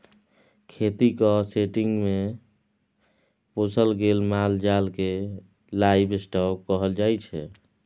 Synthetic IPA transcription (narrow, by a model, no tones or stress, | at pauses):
kʰet̪ikəseʈiŋɡme | posʰəlɡelmald͡ʒalke | laibesʈɔkkəɦəld͡ʒajt͡ʃʰɛ